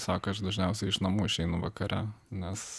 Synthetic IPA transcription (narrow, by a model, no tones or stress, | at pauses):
sɑːkɐʃd̪ɐʒʲnʲɛʊsʲɛɪɪʃnɐmuːɪʃʲɛɪnʊʋɐkɐɾʲʔænʲɛs